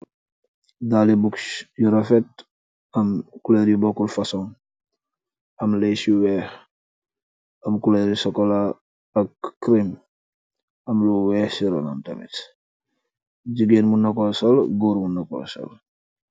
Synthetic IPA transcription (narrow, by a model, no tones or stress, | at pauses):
daːlibuksjuɾɐfɛt̚ | ɐmkulɛɾibɔkulfɐsɔŋ | ɐmlɛjsiwɛːh | ɐmkuleɾisɔkɔla | ɐkːɾim | ɐmluwɛːhsiɾɔ̰nɐ̰mtɐ̰mɛ̰t | ɟiɡenmunɐkɔlsɐlɡɔːɾmunɐkɔ̰lsɐ̰l